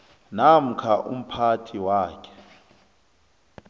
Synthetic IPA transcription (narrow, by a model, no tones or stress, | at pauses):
nam̩kʰaʔṵm̩pʰatʰiwaːkʰɛ̥